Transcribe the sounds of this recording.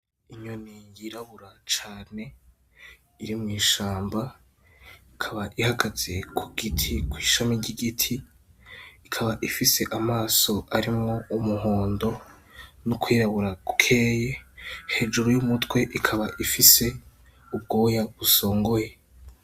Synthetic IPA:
iɲonijiɾaβuɾat͡ʃaːne̞ | iɾimŋiːʃaːmba | ikʰaβaʔihaɡaz̥e̞kʰuɡ̥itʰikwiːʃamiɟiɡitʰiː | kʰaβaʔifise̞ʔamaːso̞ʔaɾimŋo̞umuho̞ːndo̞ | nukwiːɾaβuɾakukʰe̞ːje̞he̞ːd͡ʒuɾojumutwe̞ʔikʰaβaʔifise̞ | ub̚ɡo̞ːjaβuso̞ːŋɡoje

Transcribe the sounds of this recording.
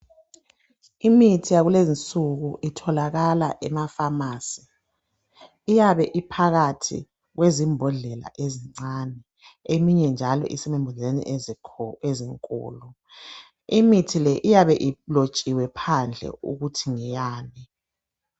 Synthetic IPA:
imitʰijaɣulezint͡sʼuɣuʔitʰɔlaɣala̰ʔɛmafamaːsi | jaβɛʔipʰaɣatʰḭ | ɣwezimbʱɔɮɛla̰ʔeziŋ͡ǀanɛ | emiɲɛnd͡ʒʱalɔ̰ʔḭsimimbʱɔɮɛenḭʔ | eziŋkʼṵːlɔ | imitʰilɛʔijaβɛʔilot͡ʃʼiwɛpʰand͡ɮʱɛ̰ṵɣutʰiŋɛjaːni

